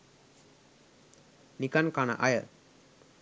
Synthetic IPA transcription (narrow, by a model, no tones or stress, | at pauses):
nikankana̰ʔajə